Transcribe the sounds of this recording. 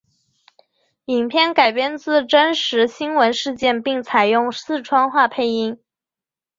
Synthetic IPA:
i˨˩ŋpʰjɛ˥˩nka˨˩ɪpjɛ˥˧nt͡sɹ̩˥˩ʈ͡ʂə˥nʂɻ̩˧˥ɕi˥nwə˧˥nʂɻ̩˥˧t͡ɕjɛ˥˧npi˥˩ŋt͡sʰa˨˩ɪjʊ˥˩ŋsɹ̩˥˧ʈ͡ʂʰwɑ˥ŋxwa˥˧pʰe˥˩ɪi˥ŋ

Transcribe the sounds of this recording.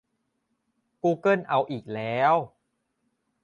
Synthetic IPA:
kuː˧kɤ˥˩nʔa˧wʔiː˨˩k̚lɛː˦˥w

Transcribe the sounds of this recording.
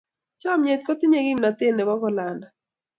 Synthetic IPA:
t͡ʃɔ˦mɲe˨t̪̚ko˦t̪ɪ˦ɲe˦ɡɪ˦mna˨t̪ɪ˦nːe˨bɔ˦kɔ˦la˨na˨

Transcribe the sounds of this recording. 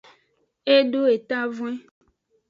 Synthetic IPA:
e˦ɖo˦e˨t̪a˦vw̃ẽ˦

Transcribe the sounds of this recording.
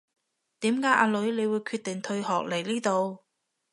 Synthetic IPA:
t̪iː˨˥mkaː˨˥jʔa̰ː˧lɵ˨˥ɥle˨˧jwuː˨˧jkʰyː˧t̚t̪ɪ˨˩ŋt̪ʰɵ˧ɥhɔː˨k̚le˨˩jliː˥t̪o˨˧w

